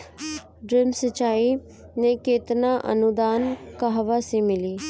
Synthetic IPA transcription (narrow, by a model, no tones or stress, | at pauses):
ɖɾɪmsət͡ʃaːi | nekeːt̪naʔə̰nʊd̪aːnkaɦʋasemɪliː